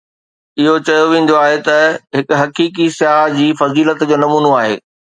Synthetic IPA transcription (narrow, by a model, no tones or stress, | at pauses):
ɪɦot͡ɕɐjoʋẽːn̆d̪oaːɦet̪ɐɦɪkʊ̆ɦɐkiːk̬isɪjaːd͡ʑiːfɐziːlət̪d͡ʑoːnɐmuːnoaːɦḛː